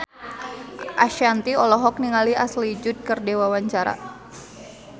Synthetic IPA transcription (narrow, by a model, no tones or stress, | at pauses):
ʔaʃant̪iɔlɔɦɔk̚niŋaliaslid͡ʒʊt̪̚kərdewawaɲt͡ʃaɾa̰